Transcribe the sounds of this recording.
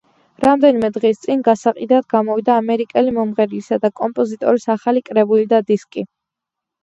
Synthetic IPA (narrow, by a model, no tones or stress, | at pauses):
ɾamd̪ɛnimɛd̪ʁist̪sʼinɡasaqʼid̪ad̪ɡamɔvid̪aːmɛɾikʼɛlimɔmʁɛɾlisad̪akʼɔmpʼɔzit̪ʼɔɾisaχalikʼɾɛbulid̪ad̪iskʼi